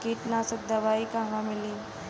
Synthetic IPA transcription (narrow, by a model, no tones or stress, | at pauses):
kiːʈnãsɐd̪ɐʋaːikaɦãmɪliː